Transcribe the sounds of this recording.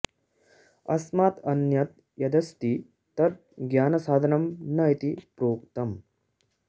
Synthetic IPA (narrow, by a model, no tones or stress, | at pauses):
ɐ̰smaːt̪ɐnjɐt̪̚ | jɐd̪ɐst̪i | t̪ɐɾ̚ | ɡjaːnɐsaːd̪ʱɐnɐmnɐit̪ipɾoːkt̪ɐm